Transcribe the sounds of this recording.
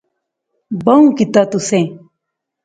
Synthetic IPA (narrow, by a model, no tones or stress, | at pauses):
bɐũkit̪at̪usẽ